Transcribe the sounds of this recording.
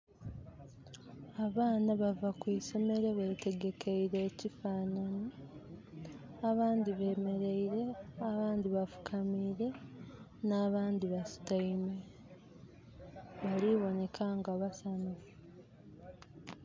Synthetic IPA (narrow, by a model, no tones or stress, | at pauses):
aβaːnaβavakwiso̞me̞ɾeβe̞ːte̞ɡe̞kʰeiɾe̞ːcifaːnani | aβaːndiβe̞ːme̞ɾe̞iɾe̞aβaːndiβafu̥kʰamiːɾe̞ | naβaːndiβasi̥taime | βaliβo̞ne̞kʰaŋɡaβasanufu